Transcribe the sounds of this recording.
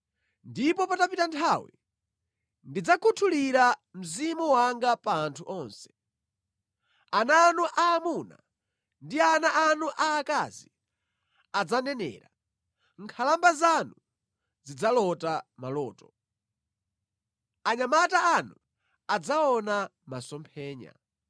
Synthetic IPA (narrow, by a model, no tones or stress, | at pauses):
ndipɔpatapitantʰawḭ | ndid͡zakʰutʰuliɾam̩zimuwaŋɡapaːntʰuʔɔːnsɛ̥ | anaːnuʔaːmuna̰ | ndianaʔanuʔaːka̰zi | ad͡zanɛnɛ̰ːɾa | ŋ̩kʰalambazanu | zid͡zalɔtamalɔːtɔ | aɲamataanu | ad͡zaɔna | masɔmpʰɛːɲa̰